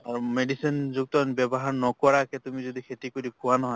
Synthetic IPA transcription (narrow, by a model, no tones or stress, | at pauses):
aɹumedisinzuk̚tɔnbɛbɔɦaɹnɔkɔɹakɛtumizɔdikʰetikoɾikʰʊwanɔɦɔj